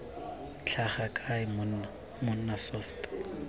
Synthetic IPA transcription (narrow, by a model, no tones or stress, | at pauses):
t͡ɬʰaχakʼaɪmʊ | mʊn̩nasɔft